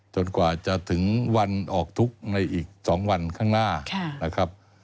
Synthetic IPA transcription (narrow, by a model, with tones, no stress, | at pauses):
t͡ɕo˧nkwaː˨˩t͡ɕa˨˩t̪ʰɯ˩˦ŋwa˧nʔɔː˨˩k̚t̪ʰu˦˥k̚na˧jʔiː˨˩k̚sɔː˩˦ŋwa˧nkʰaː˥˩ŋnaː˥˩kʰa˥˩na˦˥kʰa˦˥p̚